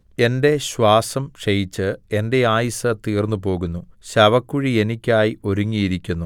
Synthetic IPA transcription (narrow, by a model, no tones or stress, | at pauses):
e̞nde̞ɕwaːsɐmʂejit͡ɕːɨe̞nde̞aːjisɐt̪iːrnːupo̞ːɣunːuɕɐʋɐkːuɻie̞nikʲːaːjio̞ɾuŋːijiɾikʲːunːu